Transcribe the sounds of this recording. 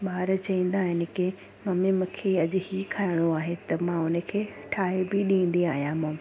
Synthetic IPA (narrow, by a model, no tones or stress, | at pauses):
ɓaːɾt͡ɕɐĩːn̆d̪aːɦɪnɪ̆kɪ | mɐmimʊ̃kʰeɐʄʊ̆hikʰaːɪɽ̃oaːɦet̪ɐmãʊnə̆kʰeː | ʈʰaːɦebɪɗĩːn̆d̪iaːɦijãmɐ̃ː